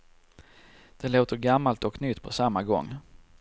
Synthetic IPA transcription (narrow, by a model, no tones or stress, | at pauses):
d̪̥ɛloːt̪əɾɡamːalt̪ɔknʏt̪ːpʰɔsamːaɡɔ̰ŋː